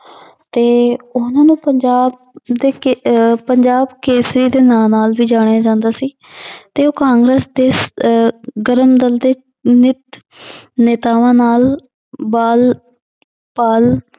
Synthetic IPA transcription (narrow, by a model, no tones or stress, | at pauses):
t̪eːʊnãːnũːpəɲd͡ʒaːb̚ | d̪eːpəɲd͡ʒaːbkeːsɾiːd̪eːnãːnaːlʋiːd͡ʒaːɽ̃ejaːd͡ʒãːnd̪aːsiː | t̪eːoːkãːŋɡɾeːsd̪eː | ɡəɾəmd̪əld̪eː | nɪt̪ | neːt̪aːʋãːnaːl | baːl | paːl